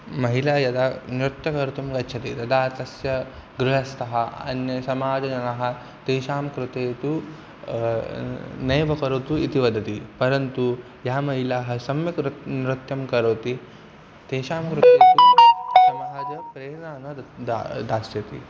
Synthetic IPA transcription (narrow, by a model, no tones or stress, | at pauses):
mɐɦilaːjɐd̪aːnɾut̪jɐkɐɾut̪ɐmkɐtːt͡ʃʰɐt̪it̪ɐd̪aːt̪ɐsjɐɡɾuɦɐst̪ʰɐɦɐɐ̰njɐsɐmaːd͡ʒɐd͡ʒɐnɐɦɐ̆ | t̪eːʃaːmkɾut̪eːt̪u | neːʋɐkɐɾot̪uit̪iʋɐd̪ɐt̪ipɐɾɐnt̪u | jaːmɐɦilaːɦɐ̆sɐmjɐkɾnɾut̪jɐmkɐɾoːt̪i | t̪eːʃaːmkɾut̪ːeːt̪usɐmaːd͡ʒɐpɾeːnaːnɐ | d̪aːsjɐt̪ḭ